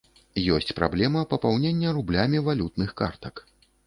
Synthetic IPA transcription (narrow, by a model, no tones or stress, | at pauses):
jɔsʲt͡sʲpɾa̰blʲɛmɐpɐpawnʲenʲːɐrublʲamʲivalʲut̪nɨxkart̪ɐk